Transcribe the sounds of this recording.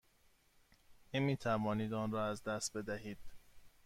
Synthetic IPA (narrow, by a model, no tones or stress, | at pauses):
nemiːt̪ʰævɒːniːd̪ɒːnrɒːæzd̪æst̪̚be̞d̪æɦiːd̪̥